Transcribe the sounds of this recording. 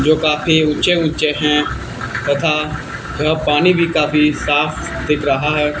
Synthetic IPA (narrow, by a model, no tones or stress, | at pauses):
d͡ʒoːkaːfʰiʊ̃t͡ʃeʊ̃t͡ʃeɦɛ̃ | t̪ɐt̪ʰaː | d͡ʒɦapaːnibʱikaːfisaːpʰ | d̪ɪkʰɾəɦaɦɛː